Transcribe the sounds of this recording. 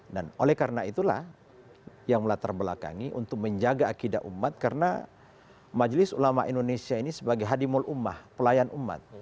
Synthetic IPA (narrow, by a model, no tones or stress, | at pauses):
danolɛhkaɾənait̪ula̰h | jaŋməlat̪arbəla̰ka̰ŋiʔṵnt̪ʊk̚məɲd͡ʒaɡaːkida̰ʔumːat̪̚kaɾəna̰ | mad͡ʒlɪsulamaʔindonesiainisəbaɡajɦadimɔlʔuma̰hpəlajanʔumːa̰t̪̚